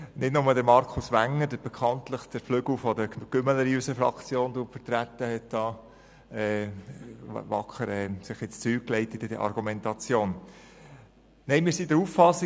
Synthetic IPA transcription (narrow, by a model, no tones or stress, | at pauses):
nɪdnʊmədəɾmɑɾkʰusʋæŋːəɾdəɾb̥ɛkʰɑntləχd̥əɾflʏɡl̩fɔdəɡ̥ʏmələɾiysəfɾɑ̰kt͡sjoːndufətɾæt̪ːəhɛt̚d̥ɑː | ɛː | vɑ̰kχəɾɛːsɪχɪt͡st͡syːklɛɪtɪdədə̰ʔɑ̰ɾɡumɛntɑt͡sjoːn | nɛɪmɪːɾsidəɾuffɑsi